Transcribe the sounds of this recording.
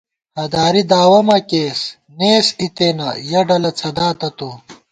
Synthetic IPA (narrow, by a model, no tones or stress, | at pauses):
hɐd̪aːɾid̪aːwɐmɐkeːs | neːsit̪eːnɐ̰jɐɖɐlɐt͡sʰɐd̪aːt̪ɐt̪oː